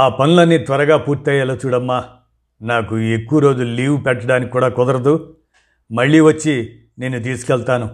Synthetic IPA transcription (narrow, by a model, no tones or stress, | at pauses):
aːpɐnulɐnːit̪ʋɐɾɐɡaːpuːɾt̪ɛːjɐlaːt͡ʃuːɽɐmːaː | naːkuekːuʋɐɾo̞ːd͡ʒuliːʋpɛʈːɐɽaːnikʲi̥kuːɽaːkɔd̪ɐɾɐd̪u | mɐɭːiːʋɐt͡ʃːi | ne̞ːnːut̪̬iːsu̥kɛɭt̪aːnu